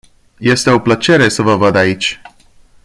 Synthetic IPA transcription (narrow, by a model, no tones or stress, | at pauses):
je̞st̪e̞o̞plət͡ʃe̞ɾe̞səvəvəd̪ait͡ʃʲ